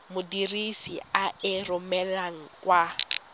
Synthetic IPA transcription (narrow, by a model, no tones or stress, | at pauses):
mʊdirisḭaɪrʊmɛlaŋ̩kʼwa